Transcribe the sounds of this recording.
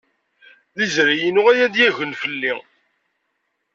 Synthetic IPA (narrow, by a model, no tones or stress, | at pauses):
ðizɾijinʊʁæjæd̪jæʝənfəlːi